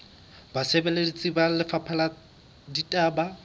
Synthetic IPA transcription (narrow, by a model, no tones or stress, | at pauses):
basebeledit͡sʼibalɪfapʰala | ditʼaːba